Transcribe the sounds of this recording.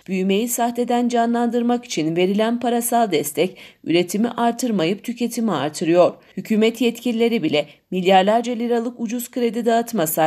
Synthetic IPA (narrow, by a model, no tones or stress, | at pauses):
b̥yjme̞jisaxt̪e̞d̪ænd͡ʒanlˠand̪ɯɾmaki̥t͡ʃʰinve̞ɾilʲænpʰaɾasalˠd̪ɛst̪ʰɛcy̰ɾe̞t̪ʰimḭʔaɾt̪ʰɯɾmajɯp̚t̪ʰycʰe̞t̪ʰimia̰ɾt̪ʰɯɾɯjo̞ɾ̥hycʰyːmɛt̪jɛt̪cʰilʲilʲe̞ɾibilʲɛmilʲjaɾlʲˠaɾd͡ʒalʲiɾalˠɯkud͡ʒuz̥kʰɯɾe̞d̪id̪aat̪masa